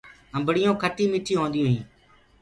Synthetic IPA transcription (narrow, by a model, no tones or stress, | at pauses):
əmbəɽɪjõːkʰəʈiːmiːʈʰiːɦõːnd̪ijõːɦĩː